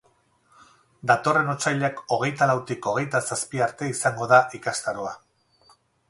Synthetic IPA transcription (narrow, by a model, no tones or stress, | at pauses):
d̪at̪o̞re̞no̞t͡sajʎako̞ɣ̞e̞jt̪alawt̪iko̞ɣe̞jt̪asaspiaɾt̪e̞isaŋɡo̞ðaʔikast̪aɾoa